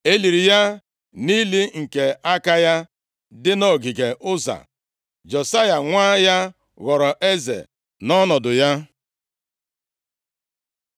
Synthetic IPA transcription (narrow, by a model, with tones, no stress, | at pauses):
e˦li˨ɾi˨ja˦ | ni˦li˦ŋ̩˨ke˨a˦ka˦ja˦ | dɪ˦no˦˨ɡi˨ɡe˨ʔʊ˦za̰˨ | d͡ʒɔ˨sa˦ja˨ŋʷaː˦ja˦ | ɣɔ˨ɾɔ˨ʔe˦zḛ˨ | nɔ˦nɔ˨dʊ˨ja˦